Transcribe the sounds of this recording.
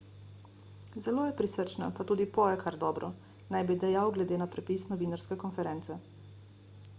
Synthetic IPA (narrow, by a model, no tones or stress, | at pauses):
zɛloːjɛpɾisəɾt͡ʃna̰pat̪uːd̪ipɔjɛkʰaɾd̪ɔːbɾɔ | najbid̪ɛjawɡlɛd̪eːnapɾɛpisnɔʋiːnaɾskɛkɔnfɛɾɛnt̪sɛ